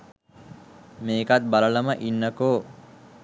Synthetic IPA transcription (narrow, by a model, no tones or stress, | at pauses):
meːkat̪̚balələməʔinːəkoː